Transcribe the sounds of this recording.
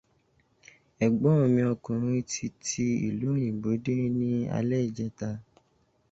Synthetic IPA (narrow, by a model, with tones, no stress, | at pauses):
ɛ˨ɡ͡bɔ˨˦o˧mĩ˧ɔ˧kũ˨ɾ̃ĩ˧˦tʰi˧tʰi˧ḭ˨lu˨˦ɾ̃ĩ˨bo˨˦de˦nĩ˦a̰˧lɛ˦i˦˨d͡ʒɛ˧˦ta˧